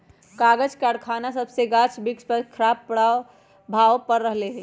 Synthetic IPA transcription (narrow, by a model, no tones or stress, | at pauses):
kaːɡəd͡ʒkaːɽkʰaːnasəbseɡaːt͡ʃbɪkspəɾkʰəɾaːb̚pəɽaːo | bʱaːʋpəɾːəɦleɦɛ